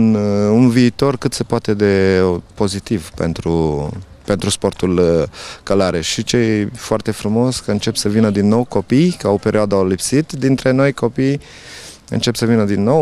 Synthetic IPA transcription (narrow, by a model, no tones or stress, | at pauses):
nunviːt̪o̞rkɨt̪se̞poat̪e̞d̪e̞po̞zit̪ivpḛnt̪ɾupe̞nt̪ɾuspo̞rt̪ulkalaɾeʃit͡ʃe̞jfoart̪e̞fɾumo̞sʲkəɨnt͡ʃe̞psəvinəd̪inːo̞wko̞pijkaope̞ɾioad̪alipsit̪d̪int̪ɾe̞no̞jko̞pij | ɨ̰nt͡ʃe̞psəvinəd̪inːo̞w